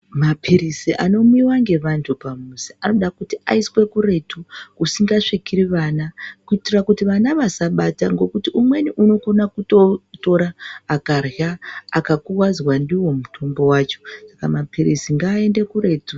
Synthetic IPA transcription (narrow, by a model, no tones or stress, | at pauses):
mapʰiɾisiʔa̰no̞muiwaŋɡe̞ʋantʰupamusiʔano̞ɗakutiʔa̰iswe̞kuɾe̞tʰuusiŋɡaʂikiɾiʋaːnakuitirakutiʋanaʋasaɓataŋɡo̞kutiumwe̞niʔuno̞ko̞nakutoto̞ɾaːkarja̰ːkakuwazwandiwo̞mutʰo̞mbo̞wat͡ʃo̞̥sakamapiɾisiŋɡaːe̞nde̞kuɾe̞tu